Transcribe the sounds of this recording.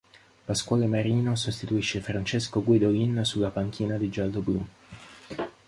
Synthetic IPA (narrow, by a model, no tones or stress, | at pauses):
paskwɔːlemaɾiːnosost̪it̪uiʃːefɾant͡ʃeskoɡwid̪oɡinsulːapaŋk̟ʰiːnad̪id͡ʒald̪oblu